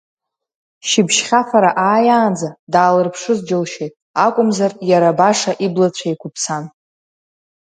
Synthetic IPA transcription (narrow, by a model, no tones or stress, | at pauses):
ʃɪbʃχʲafaɾaʔaːjaːnd͡zadaːlɨrpʰʂɨzd͡ʒɪlʃejtʼ | akʷʼʊmzarjaɾabaʂaʔiblat͡ɕʷʰaikʷʰʊpʰsʰan